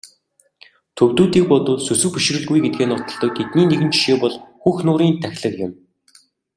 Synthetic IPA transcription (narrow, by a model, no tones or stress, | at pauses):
t̪ʰɵwt̪uːt̪iːk̚pɔt̪ʊːsɵsɵ̆wpiʃ̆rɘ̆ɮɣujɡet̪̚ɡeːnʊt̪ɞ̆ɮt̪ɞ̆k̚t̪ʰet̪niːneɣɘ̆nt͡ɕi̥ʃeːpɔɮxuːxnʊːɾiːnt̪ʰæxʲɮə̆kjɪ̆m